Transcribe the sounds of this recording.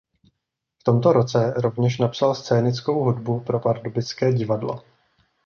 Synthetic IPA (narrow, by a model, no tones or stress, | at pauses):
ft̪o̞mt̪o̞ɾo̞t͡sɛɾo̞vɲɛʃ̬napsalst͡sɛːnɪt͡sko̞wɦudbupɾo̞paɾdobɪt͡skɛːɟɪvadlo̞̰